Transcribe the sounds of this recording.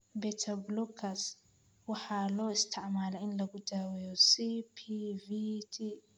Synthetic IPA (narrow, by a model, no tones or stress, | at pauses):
bɛt̪ʰɐblukʰɐs | wɑħɑːlɔːɪst̪ʰɪʕmaːlɛɪnlɐɡʊd̪aːwɛjɔsipʰivit̪ʰi